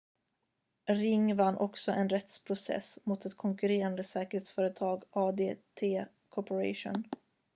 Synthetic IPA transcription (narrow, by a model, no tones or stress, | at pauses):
ɾɪŋːvanːʔɔksɔʔɛnɾɛt̪spʰɾʊsɛ̰smuːt̪ɛt̪kʰɔŋkɵɾeːɾand̪əsɛːkəɾheːt̪sfœːɾət̪ʰɑːɡɑːd̪eːt̪ʰeː | kʰɔpəɾa̰ʂʊ̰n